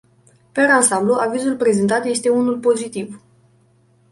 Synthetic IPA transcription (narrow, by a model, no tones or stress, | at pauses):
peɾansambluʔavizulpɾe̞ze̞nt̪at̪je̞st̪e̞unulpo̞zit̪iv